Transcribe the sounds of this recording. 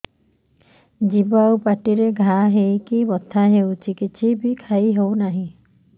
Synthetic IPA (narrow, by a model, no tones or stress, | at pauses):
d͡ʒibawpaʈiɾeɡʱaɦejkibɔt̪ʰaɦewt͡ʃʰikit͡ʃʰibʱikʰaiɦewnaɦĩ